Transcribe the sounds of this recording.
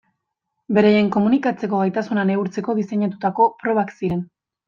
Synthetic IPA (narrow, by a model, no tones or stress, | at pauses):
be̞ɾejeŋko̞munikat͡se̞ko̞ɣajt̪asunaneuɾt͡se̞ko̞ðiseɲat̪ut̪ako̞pɾo̞β̞aksiɾe̞n